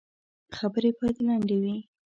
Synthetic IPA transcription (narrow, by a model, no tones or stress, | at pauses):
xabəɾepɑjt̪lɑɳɖ̪ewi